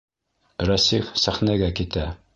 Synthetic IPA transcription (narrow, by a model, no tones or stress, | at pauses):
ɾæsifsæχnæɡækit̪æ